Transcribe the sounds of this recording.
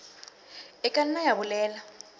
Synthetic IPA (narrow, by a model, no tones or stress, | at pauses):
ɛkʼaninajaβʊlɛːla